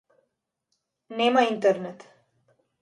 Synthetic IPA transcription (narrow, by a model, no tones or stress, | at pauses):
nemaint̪əɾnet̪